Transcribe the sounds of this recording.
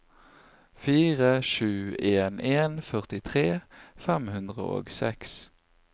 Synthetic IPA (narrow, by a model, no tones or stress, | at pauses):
fiːʁəʃʉːeːneːnfœʁt̪ɪt̪ʰʁeːfɛmhʉnd̪ʁə̰o̰ːɡsɛ̰ks